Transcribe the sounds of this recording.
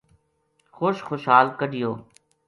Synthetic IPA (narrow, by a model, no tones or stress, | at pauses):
xoːʃxoʃɦaːlkəɖɪjoː